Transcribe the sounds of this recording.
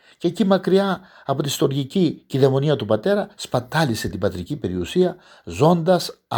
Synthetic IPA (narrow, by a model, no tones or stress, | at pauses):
cecimɐkɾiɐː | po̞t̪ist̪o̞ɾʝiciciðemo̞niɐt̪upɐt̪e̞ɾɐspɐt̪ɐlise̞t̪ibɐt̪ɾicibe̞ɾiusiɐ | zo̞nd̪ɐs